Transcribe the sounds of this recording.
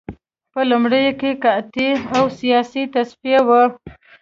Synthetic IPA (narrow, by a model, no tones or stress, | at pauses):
pəlumɽəjokekat̪iawsijɑsit̪asfijawə